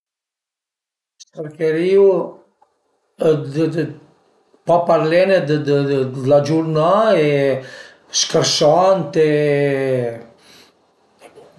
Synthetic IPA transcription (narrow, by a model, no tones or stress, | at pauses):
st̪əɾkɛɾiu | d | papaɾlɛnɛd̪əd̪lad͡ʒuɾnaɛ | ʃkəɾsɔnt̪ɛ